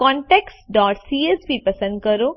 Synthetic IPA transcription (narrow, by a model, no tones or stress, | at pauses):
kɔ̃ːɳʈeːksɖɔːʈsiːesbʱipɐsə̃nd̪̚kəɾoː